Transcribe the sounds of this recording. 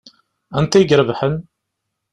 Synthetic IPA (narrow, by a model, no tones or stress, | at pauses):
ænt̪æjiɡɾəvħən